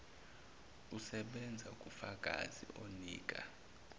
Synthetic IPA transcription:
usɛɓɛnd͡zʱaukʼufakʼazḭʔoniːk̬ʼa̰

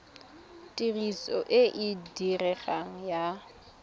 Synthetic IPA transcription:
tʼirisɔ̰ʔɪʔɪdirɛχaŋ̩ja

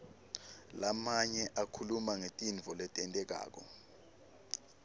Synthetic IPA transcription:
lamaɲɛʔakʰulumaŋetʼinvʱɔlɛtʼɛntʼɛk̬a̰ːk̬ɔ

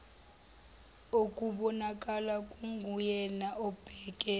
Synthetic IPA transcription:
okʼuɓɔnakʼalakʼuŋɡʱujɛnaʔɔb̥ʱɛːk̬ʼɛ

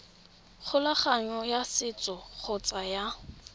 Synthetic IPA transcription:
χʰʊlaχaɲɔjasɪt͡sʼɔk͡xʰɔt͡sʼaja

